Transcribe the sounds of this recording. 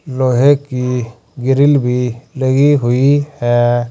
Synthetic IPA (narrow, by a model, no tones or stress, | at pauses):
loɦeki | ɡiɾilbʱiləɡiɦuihɛ